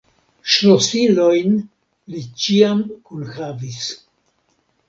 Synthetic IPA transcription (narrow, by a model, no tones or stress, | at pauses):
ʃlosilo̞jn | lit͡ʃiamkunhavis